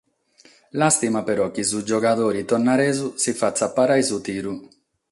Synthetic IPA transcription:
last̪imapɛɾɔkːizud͡ʒɔkad̪oːɾit̪ɔnaɾɛːzusifat̪sːapːaɾajzut̪iːɾu

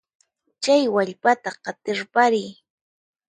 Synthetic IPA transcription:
t͡ʃajwaʎpat̪aqɑt̪ɪɾpaɾɪj

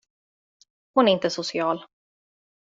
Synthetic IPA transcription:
hʊnæɾɪnt̪əsʊsɪɑːl

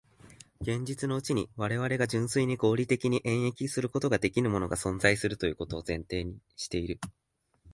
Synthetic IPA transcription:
ɡ̥ẽ̞ɲ̟d͡ʑit͡sɨno̞ɯ̟t͡ɕiɲ̟iβ̞aɾe̞βaɾe̞ɡaʑɨ̃ɰ̃sɨiɲ̟iɡo̞ːɾʲit̪e̞kʲiɲ̟iʔẽ̞ɰ̃e̞kʲisɨɾɯ̟ko̞t̪o̞ɡad̪e̞kʲinɯ̟mo̞no̞ɡasõ̞nzaisɨɾɯ̟t̪o̞jɯ̟ːkot̪o̞ːzẽ̞nt̪e̞ːɲ̟iɕi̥t̪e̞iɾɯ̟

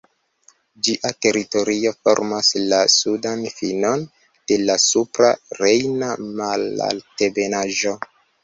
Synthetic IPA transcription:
d͡ʒiʔate̞ɾito̞ɾio̞fo̞̰ɾmaslasudanfino̞n | d̥e̞lasupɾaɾe̞jnamala̰ltebe̞naʒo̞

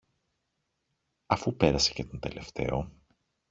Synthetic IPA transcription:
ɐfupe̞ɾɐse̞ce̞t̪o̞nd̪e̞le̞ft̪e̞̰o̞

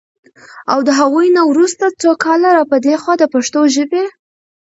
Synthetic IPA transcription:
awd̪əɦaɣujnawɾust̪at͡sokɑlaɾɑpəd̪exwɑd̪əpaʂt̪oʒəbe

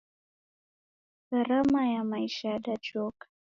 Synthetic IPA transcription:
ɡaɾamajamaiʃaɗad͡ʒɔkḁ

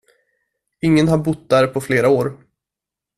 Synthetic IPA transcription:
ɪŋːənɦaɾbʊt̪̚d̪æɾpʰɔfleːɾaoːɾ

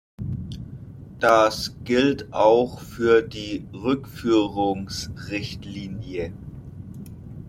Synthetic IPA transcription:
d̥asɡ̥ɪltʔaʊxfyːɐdiːʁʏkfyːʁʊŋsʁɪçtliːnjə

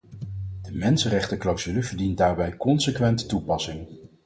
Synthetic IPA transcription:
d̥əmɛnsənrɛχtəklawzyləvəɹdint̚daːɹbɛjkɔnsəkʋɛnttupɑsɪŋ

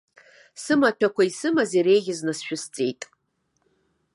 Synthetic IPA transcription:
sɨmatʷᶣʰakʷʰaisɨmaziɾejɣʲɪznasʃᶣʊst͡sʼejtʼ

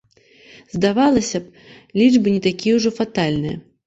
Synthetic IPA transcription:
zd̪avalˠɐsʲɐp | lʲid͡ʐbɨnʲɛt̪akʲijɛwʐɔfat̪alʲnɨjɐ̰

